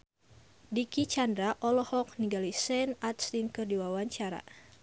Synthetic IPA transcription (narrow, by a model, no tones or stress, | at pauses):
dikit͡ʃandɾaʔɔlɔhɔk̚niɡalisɛnat̪̚stinkərdiwawaɲt͡ʃaɾa̰